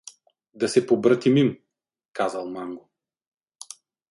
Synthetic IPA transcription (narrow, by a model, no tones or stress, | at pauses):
d̪ɐsɛpobɾət̪imim | kazalˠmaŋɡo